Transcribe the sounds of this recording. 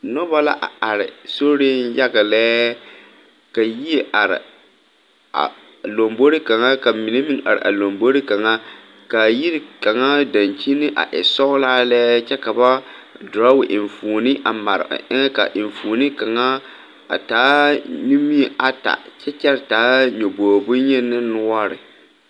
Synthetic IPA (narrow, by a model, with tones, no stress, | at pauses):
nɔ˦ba˦la̰˦ʔa˨a˨ɾɪ̰˨so˦ɾɪ˦nja˦ɡa˨lɛː˦ | ka˨ji˦e˦ʔa˨ɾɪ̰˨ | a̰˨ | lo˨mbo˦ɾi˦ka˨ŋa˦ka˨mi˨ne˦mi˦ŋʔa̰˨ɾɪ̰˨ʔa̰˨lo˨mbo˦ɾi˦ka˨ŋa˦ | ka˨ji˦ɾka˨ŋa˦da˨nt͡ʃi˦nɨ˦ʔa̰˨ʔɛ̰˨sɔ˦ʊ˦laː˦lɛː˦t͡ʃɛ˦ka˨ba˦dʊ˨ɾa˦wɪ˨ʔɪ˨ɱfuː˨nɪ˦ʔa˨ma˨ɾ̰ʔɪ˦ŋɛ˦ka̰˨ʔɪ˨ɱfuː˨nɨ˦ka˨ŋa˦ | a̰˨taː˨˦ni˦mi˦˨ʔa˨ta̰˨t͡ʃɛ˦t͡ʃɛ˦ɾtaː˨˦ɲo˨boː˨bʊ˦ɲɛ˦nɨ˦nʊ˦a˦ɾɪ̰˨